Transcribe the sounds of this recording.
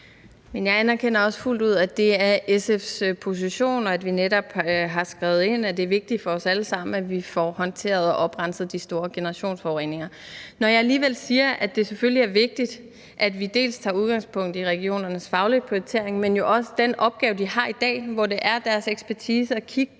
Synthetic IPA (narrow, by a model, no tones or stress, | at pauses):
menjɑ̈ɪænæɐkʰenɐɒ̽sful̰d̥uð̞̰ˠæd̥e̝æɐesefspʰo̝s̬iɕo̝̰ːnɒ̽æd̥ʋineɾɒ̽b̥ɦɑ̈sɡ̥ʁɛʊð̞̩ˠe̝n̰æd̥e̝æɐʋe̝ɡ̥̚d̥i̥fɒ̽ɒ̽sæləsɑ̈m̰n̩æʋifɒhɒ̽nt͡sʰe̝̰ːɐð̞̩ˠɒʔɒ̽b̥ʁɑ̈n̰sð̩ˠd̥isd̥o̝ːɐɡ̥e̝nɐʁɑ̈ɕo̝̰ːnsfɒʊʁḛːne̝ŋɐ | nɒjɑ̈ɪæliːʋel̰siːɐʔæd̥e̝sefølliæɐʋe̝ɡ̥̚d̥id̥ | ʔæd̥ʋid̥e̝̰ːlst͡sʰɑ̰̈ːuð̞ˠɡ̥ɑ̈ŋspʰɔ̽ŋ̰d̥iʁɛɡ̥io̝̰ːnɐnəsfɑ̈ʊlipʰiot͡sʰe̝ɐeŋmenjo̝ʔɒ̽sə̥d̥enʔɒ̽b̥̚ɡ̥ɛːʊd̥ihɑ̈ːid̥ɛ̰ːʋɒd̥e̝ʔæɐd̥æɐseɡ̥sb̥æɐt͡sʰiːsəɒkʰiɡ̥